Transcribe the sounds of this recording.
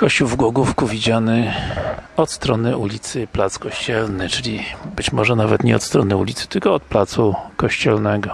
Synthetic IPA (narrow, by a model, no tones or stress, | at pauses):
kɔɕt͡ɕuwvɡwɔɡufkuvʲid͡ʑanɘ | ɔt̪st̪ɾɔnɘʔulʲit̪sɘplat̪skɔɕt͡ɕɛlnɘt͡ʂɘlʲibɘt͡ɕmɔʐɛnavɛt̪ɲɛɔt̪st̪ɾɔnɘulʲit̪sɘ̥t̪ɘlkɔɔt̪̚plat̪sukɔɕt͡ɕɛlnɛɡɔ